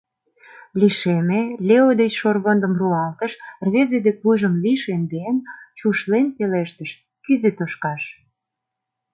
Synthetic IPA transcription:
liʃemelʲeod̪et͡ɕʃorɣond̪ə̆mruɑlt̪əʃrβezed̪ekβujʒəmliʃend̪ent͡ɕuʃlenpeleʃt̪əʃ | kyzet̪oʃkɑʃ

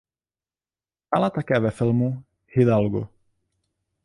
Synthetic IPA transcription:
t̪alat̪akɛːvɛfɪlmu | hɪd̪alɡṵ

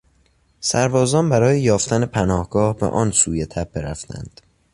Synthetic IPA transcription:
sæɾbɒːzɒːnbæɾɒːjejɒːft̪æne̞pʰænɒːhɡɒːhbḛʔɒːnsuːje̞t̪ʰæp̚beɾæft̪ʰæ̰nd̪̥

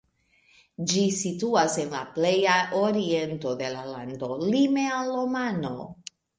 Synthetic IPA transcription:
d͡ʒisituase̞nla̰ple̞jaʔo̞ɾie̞nto̞de̞lalando̞lime̞alːo̞mano̞̰

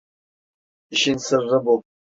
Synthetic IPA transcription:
iʃɪnsɨrːɨbop

